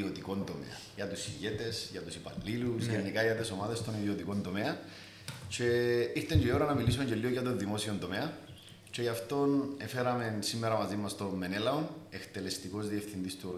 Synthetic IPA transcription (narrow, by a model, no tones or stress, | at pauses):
iot̪iko̞nt̪o̞mḛɐ̰njɐt̪usiʝe̞t̪e̞sʝɐt̪usipɐ̰lːilusʝenːikɐʝɐt̪eso̞maðest̪o̞niðio̞t̪iko̞nt̪o̞meɐ | ce̞iɾt̪eɲɟeoɾɐnɐmilis̬oɲɟelioʝɐt̪o̞nðimo̞sio̞nt̪omeɐ | ce̞ʝɐft̪o̞nefeɾɐme̞nsimːeɾɐmɐzimːɐst̪o̞mːe̞nelɐone̞kt̪e̞le̞st̪iko̞zðie̞fθind̪ist̪uo